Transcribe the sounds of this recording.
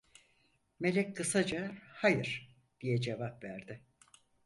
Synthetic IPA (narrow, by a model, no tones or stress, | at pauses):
me̞lʲɛcʲkʰɯsad͡ʒahajɯɾ̥ | d̪̥ijɛd͡ʒe̞vapvæɾd̪ɪ